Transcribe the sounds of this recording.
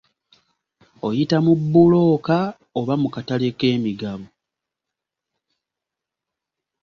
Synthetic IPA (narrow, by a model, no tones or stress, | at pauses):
o̞jitamubːulo̞ːka | oβamukataleke̞ːmiɡaβo